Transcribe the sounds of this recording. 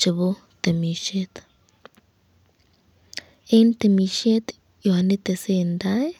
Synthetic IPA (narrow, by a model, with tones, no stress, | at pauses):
t͡ʃi˨bu˦ | t̪e˨mi˨ʃe˦t̪ | e˦nt̪e˨mi˧ʃe˦t̪ | jo˨a˨ni˦t̪e˨se˦˧˨nd̪a˦e˦